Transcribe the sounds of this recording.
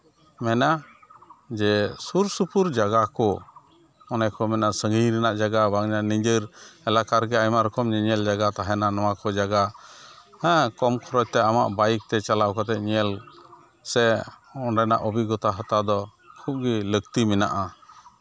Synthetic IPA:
mɛna | d͡ʒɛsuɾsupuɾd͡ʒaɡakɔ | ɔnɛkʰɔmɛnasəŋəjɾɛnaʔd͡ʒaɡabaŋɲanid͡ʒəɾɛlakaɾɡɛajmaɾɔkʰɔmd͡ʒɛɲɛld͡ʒaɡat̪aɦɛnanawakɔd͡ʒaɡa | hɛ̃kɔmkʰɔɾɔc̚t̪ɛama̰ʔbajk̚t̪ɛt͡ʃalakɔt̪ɛʔ̪̚ɲɛl | sɛɔnɖɛna̰ʔɔbiɡɔt̪aɦət̪ad̪ɔ | kʰup̚ɡiləɡt̪imɛna̰ʔa

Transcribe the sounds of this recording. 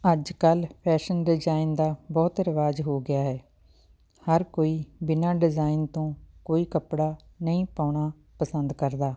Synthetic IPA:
əd͡ʒkəlpʰɛːʃənɖɪd͡ʒaːind̪aːbɔːt̪ɾəʋaːd͡ʒɦoːɡɪjaːɦɛː | həɾkoːiːbɪnaːɖɪzaːint̪õːkoːiːkəpɽaːnəĩːpaːɳaː | pəsənd̪kəɾd̪aː

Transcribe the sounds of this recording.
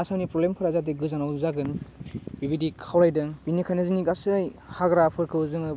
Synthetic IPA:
asanipɾɔlemkʰɯɾazadiɡɯzanawzaɡɯnbibidikʰawɾajdɯbinikʰajnɯzɯniɡasɯjhaɡɾapʰɯɾkʰɯzɯŋɯ

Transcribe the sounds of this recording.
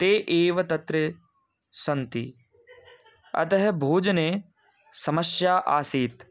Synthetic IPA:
t̪eːʔeːʋɐt̪ɐt̪ɾe | sɐnt̪ḭ | ɐ̰t̪ɐɦbʱoːd͡ʒɐneː | sɐməsjaːʔaːsiːt̪

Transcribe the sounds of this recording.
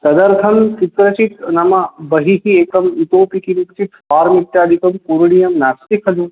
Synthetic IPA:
t̪ɐd̪ɐɾt̪ʰɐmsit̪ɾɐt͡ʃit̪nɐmɐbɐɦiɦieːkɐmit̪oːpikinikt͡ʃit̪faːɾmit̪ːjaːd̪ikɐmkuɾɽijɐmnaːst̪ikʰɐlu

